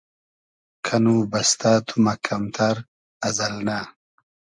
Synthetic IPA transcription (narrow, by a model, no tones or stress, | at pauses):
kʰɐnubɐst̪aːt̪ʰumɐkʰɐmt̪ʰaɾ | ɐzɐlna